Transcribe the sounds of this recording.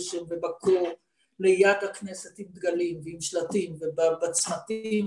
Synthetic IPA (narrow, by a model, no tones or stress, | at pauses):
ʃemvebakʰo | lejad̪hakneset̪himd̪ɡalimveimʃlat̪imvebabat͡smat̪im